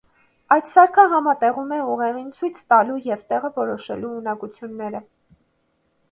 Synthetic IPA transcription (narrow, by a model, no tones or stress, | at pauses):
ɑjt̪sɑɾkʰəɦɑmɑt̪ɛʁumɛuʁɛʁint͡sʰujt͡sʰt̪ɑlujɛvt̪ɛʁəvɔɾɔʃɛ̰luːnɑkut͡sʰjunːɛɾə